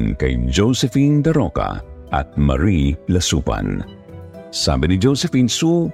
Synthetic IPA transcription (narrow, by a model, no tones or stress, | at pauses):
nkɐ̰jd͡ʒowsɛfind̪ɐɾoka̰ʔɐ̰t̪̚mɐ̰ɾilɐsupa̰n | sa̰ːbɪnid͡ʒowsɛfinsu